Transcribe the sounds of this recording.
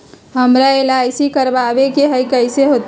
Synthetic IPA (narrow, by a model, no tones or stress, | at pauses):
ɦəmɾaelajsikəɾbabekeɦəjkəjseɦot̪